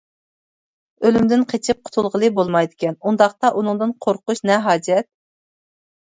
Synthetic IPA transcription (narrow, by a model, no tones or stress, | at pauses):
ølymd̪ɪnqʰet͡ʃʰɪp̚qʰʊ̥t̪ʰulˠʁəlˠɨbolˠmɑjd̪ɪkʲʰɛnund̪ɑχt̪ɑʔunɨŋd̪ɨnqʰoɾqʊʃnɛɦɑːd͡ʒɛt̪̚